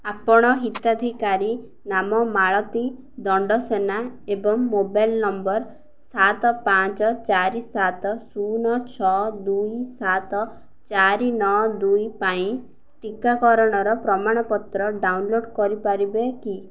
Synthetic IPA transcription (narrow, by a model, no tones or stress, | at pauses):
apɔɽ̃ɔɦit̪ad̪ʱikaɾi | namɔmaɭɔt̪i | d̪ɔɳɖɔsenaebɔŋmobajlnɔmbɔɾ | sat̪ɔpãt͡ʃɔt͡ʃaɾisat̪ɔsunɔt͡ʃʰɔd̪ujsat̪ɔ | t͡ʃaɾinɔd̪ujpaĩ | ʈikakɔɾɔɽ̃ɔɾɔpɾɔmaɽ̃ɔpɔt̪ɾɔɖawnloɖkɔɾipaɾibeki